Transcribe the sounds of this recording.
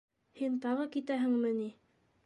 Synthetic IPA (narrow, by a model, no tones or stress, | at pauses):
hint̪ɑʁɤkit̪æɦɘ̆ŋmɘni